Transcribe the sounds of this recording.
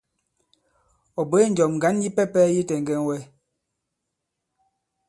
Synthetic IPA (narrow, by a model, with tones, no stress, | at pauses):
ɔ˨be˦n̩˨d͡ʒɔ˨m˨ŋ˨ɡa˨˦nji˦pɛ˦pɛ˦ji˦tɛ˨ŋ˨ɡɛ˦n˦wɛ˦